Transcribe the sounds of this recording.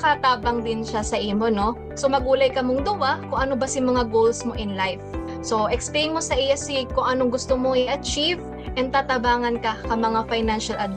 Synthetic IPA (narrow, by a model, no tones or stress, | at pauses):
kat̪aːbɐŋd̪ɪnʃasɐʔiːmo̞no̞ | so̞mɐɡuːlɐjkɐmoŋd̪ʊwakʊŋʔɐnobɐsɪŋmɐŋaɡowlsmo̞ʔɪnlajf | so̞ʔɛksplejnmo̞sɐʔijasɪkʊŋʔɐnoŋɡʊst̪omoŋɪʔɐt͡ʃiv | ʔɛnt̪aːt̪ɐbaːŋɐnkɐkɐmɐŋafajnanʃɐlʔɐd̪̚